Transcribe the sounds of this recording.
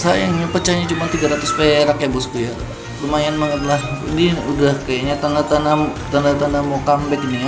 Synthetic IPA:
sajaŋɲapət͡ʃaɲat͡ʃumant̪iɡaɾat̪ʊspeɾakabʊspuja | rumajanmaŋat̪lasdiudahkajaɲat̪anat̪anat̪andat̪andamokambɛkini

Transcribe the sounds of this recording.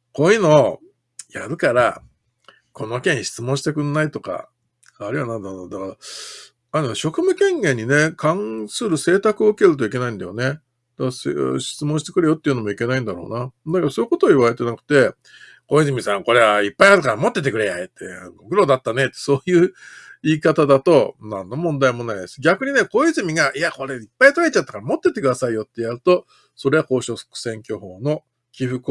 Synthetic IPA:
ko̞ːjɯːno̞ | jaɾɯ̟kaɾa | kʰo̞no̞kẽ̞ɰ̃ɕi̥t͡sɨmõ̞ɰ̃ɕit̪e̞kɯ̟nnait̪o̞ka̰ | aɾɯ̟janãnd̪and̪akaɾa | anoɕo̞kɯ̟mɯ̟kẽ̞ŋɡẽ̞ɲ̟ːine̞kʰãɰ̃sɨɾɯ̟se̞ːt̪akɯ̟oɯ̟ke̞ɾɯ̟t̪̬oik̬e̞naĩnd̪ajo̞ne̞ | d̪̥asɕi̥t͡sɨmõɕi̥t̪e̞kɯ̟ɾe̞jot̪ːeiɯ̟nomo̞ike̞naĩnd̪aɾo̞̰ːnad̪akaɾaso̞i̟ko̞t̪oːiβaɾe̞t̪e̞nakɯ̟̥t̪e̞ | ko̞izɨmʲisãŋko̞ɾe̞aipːaiat̪ːakaɾamo̞t̪ːe̞t̪̬e̞kɯɾejaet̪ːebokɯ̟ɾo̞d̪at̪ːane̞t̪ːe̥so̞ːjɯ̟ːiːkat̪ad̪at̪o̞nãnːo̞mõnd̪aimo̞naid̪esɨ̥ɡʲakɯ̟ɲ̟ine̞ko̞izɨmʲiɡaʔiako̞ɾe̞ipːait̪oait͡ɕat̪ːḁkaɾamo̞t̪ːe̞t̪ːe̞kɯ̟d̪asaijot̪ːe̞jaɾɯ̟t̪o̞ | so̞ɾe̞ako̞ːɕo̞so̥kɯ̟̥sẽ̞ŋkʲo̞ɦo̞ːno̞ | kʲiɸɯ̟ko

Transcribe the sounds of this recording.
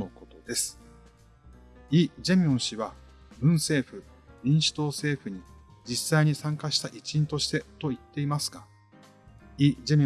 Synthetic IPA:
oko̞t̪od̪e̞sɨ̥ | id͡ʑe̞mʲiõɰ̃ɕiβa | bɯ̟̃ɰ̃se̞ːɸɯ̟ | ɲʲĩɰ̃ɕi̥t̪o̞ːse̞ːɸɯ̟ɲ̟id͡ʑisaiɲ̟isãŋkaɕi̥t̪aʔit͡ɕĩnt̪o̞ɕi̥t̪e̞t̪o̞it̪ːe̞imasɨ̥ɡa | id͡ʑemʲi

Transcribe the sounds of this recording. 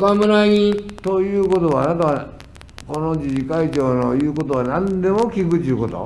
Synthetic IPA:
kamɯɾaĩt̪ojɯːko̞t̪o̞βa̰ːnat̪aβa | ko̞nod͡ʑiʑikait͡ɕoːnojɯːko̞t̪oanãnd̪e̞mokʲikɯt̪ːeɯko̞t̪o̰

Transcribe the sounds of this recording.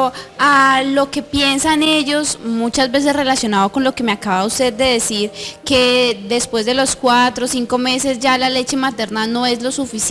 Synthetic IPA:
alo̞ke̞pje̞nsane̞ʝo̞smut͡ʃazbe̞s̬e̞sre̞lasjo̞naðoko̞nlo̞ke̞meakaβaust̪e̞ðːe̞ðe̞siɾke̞d̪e̞spwe̞zd̪e̞lo̞skwat̪ɾo̞siŋko̞me̞se̞zd͡ʒalale̞t͡ʃe̞mat̪e̞ɾnano̞e̞zlo̞sufis

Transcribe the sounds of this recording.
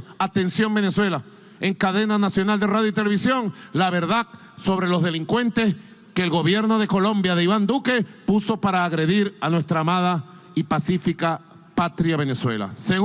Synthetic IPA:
at̪e̞nsjo̞ŋbe̞ne̞swe̞la | eŋkaðe̞nanasjo̞nald̪e̞raðjoit̪e̞le̞βisjo̞ŋlaβe̞ɾðak | so̞β̞ɾe̞lo̞zðe̞liŋkwe̞nt̪e̞s | keːlɣo̞βje̞ɾno̞ð̞e̞ko̞lõ̞mbjaðeiβand̪uke̞puso̞paɾaːɣɾe̞ðiɾanwe̞st̪ɾaːmað̞a | ipasifika | pat̪ɾjaβe̞ne̞swe̞̰la̰seɣ

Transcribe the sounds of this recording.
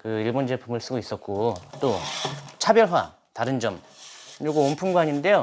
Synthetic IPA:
kɯiɭbond͡ʑe̞pʰumɯɭs͈ɯɡois͈ʌt̚k͈ot͈ot͡ɕʰabjʌɭɦwa̰ | taɾɯnd͡ʑʌm | ɯɲoɡoompʰuŋɡaɲinde̞jo

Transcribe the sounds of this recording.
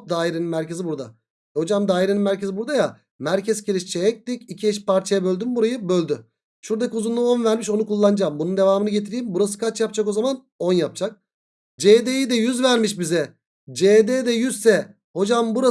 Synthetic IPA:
p̚d̪aːiɾeninmæɾcʰe̞zibuɾd̪a̰ | ho̞d͡ʒamd̪aːiɾeninmæɾcʰe̞zibuɾd̪aja | mæɾcʰɛzciɾiʃt͡ʃʰejɛc̚d̪icicʰiɛʃpaɾt͡ʃʰajabølʲd̪ymbuɾajɯbølʲd̪y | ʃuɾd̪acʰiuzunuo̞nvæɾmiʃo̞nukulˠːanɯd͡ʒambunund̪e̞vaːmɯnɯɟe̞t̪ʰiɾijimbuɾasɯ̥kʰat͡ʃjap̚t͡ʃʰako̞zaman | o̞njap̚t͡ʃʰak̚ | d͡ʒed̪ejid̪ɛjyzvæɾmiʃ̬bizɛ | d͡ʒed̪ɛd̪ɛjyzsɛ | ho̞d͡ʒambuɾa

